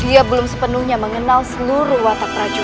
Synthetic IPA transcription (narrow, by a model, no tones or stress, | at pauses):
diabəlʊmsəpənuhɲaməŋənalsəluɾuhwat̪apɾad͡ʒu